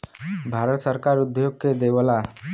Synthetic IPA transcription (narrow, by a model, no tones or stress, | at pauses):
bʱaɾət̪səɾkaɾud̪joɡked̪eʋəla